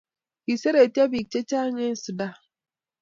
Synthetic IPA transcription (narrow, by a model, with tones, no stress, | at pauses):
i˨se˦ɾe˨ti˦a˦bi˨k̚t͡ʃe˦t͡ʃa˦ɲe˦n˦su˨da˦